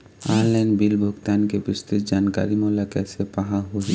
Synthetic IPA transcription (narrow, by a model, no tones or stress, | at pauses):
aːɾlɛ̃nɖbilbʱʊɡt̪aːnkepɪst̪ɪt̪̚d͡ʒaːnka̰ːɾimɔːlakɛːsepaɦaɦu